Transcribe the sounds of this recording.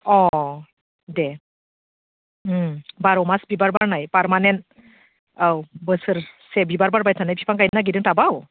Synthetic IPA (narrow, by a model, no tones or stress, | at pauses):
ɔ | de | baɾɔwmasbibaɾbaɾnajpaɾmanent | awbəsɯɾsebibaɾbaɾbajtʰanajpʰipʰaŋkajnaɡidɯŋtabaw